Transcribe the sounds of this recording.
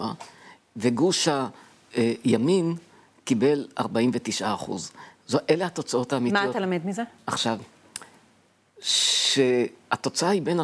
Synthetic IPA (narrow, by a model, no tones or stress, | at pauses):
a | veɡuʃa | jamin | kibe̞la̰ʁbaimvet̪iʃʔaːχṵzzoʔelehat̪o̞t͡sao̞t̪aːmimaotalamed̪mizeaχʃav | ʃeat̪o̞t͡saahibena